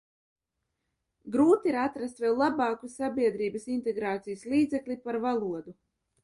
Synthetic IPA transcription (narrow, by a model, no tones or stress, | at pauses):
ɡɾuːt̪iiɾat̪ɾast̪vɛlˠlːˠabɑːkusabiɛd̪ɾiːbɐsint̪eɡɾaːt̪sijsliːd̪zɛklʲipaɾvalˠuɔd̪u